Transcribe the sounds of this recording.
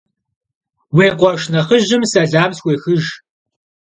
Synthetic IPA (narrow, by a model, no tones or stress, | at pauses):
weːqʷɔʂnɐχəʒɪmsɐɮaːmswʷeːxɨʒ